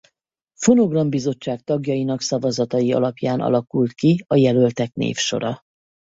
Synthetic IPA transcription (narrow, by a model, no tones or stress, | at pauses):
fo̞no̞ɡrɒmbizo̞t͡ʃːaːk̚t̪ɒɡjɒjinɒksɒvɒzɒt̪ɒjiɒ̰lɒpjaːnʔɒ̰lɒkult̪kiɒjɛlø̞lt̪ɛknḛːfʃo̞̰ɾɒ